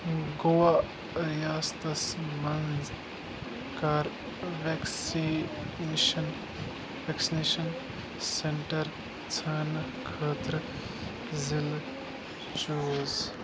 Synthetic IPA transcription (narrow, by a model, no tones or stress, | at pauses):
ɡowa | ɾjaːst̪ɐsmɐnz | kaɾ | ʋeksi | ʃɐn | ʋeksineːʃɐn | seɳʈɐɾ | t͡sʰɐːn | kʰəːt̪ɾə | zil | t͡ʃoːz